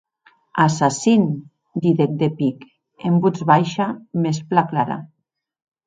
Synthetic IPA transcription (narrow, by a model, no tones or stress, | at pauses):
asasin | d̪iðek̚d̪epik | embud͡zβajʃamesplaklaɾa̰